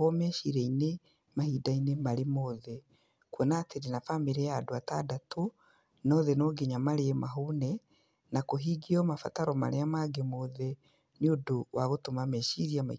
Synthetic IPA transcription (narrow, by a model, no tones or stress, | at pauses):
ɔmɛʃiɾɛine | mahiːdainemaɾemɔðɛ | kwɛnaːteɾenafameɾɛaːdoatadatʰo | nɔðɛnɔɡeɲamaɾeɛmaɦuːnɛ | nakoɦiːɡiɔmafa̰taɾɔma̰ɾeamaɡemoðɛ | neodowʔaɣotomamɛʃiɾiama̰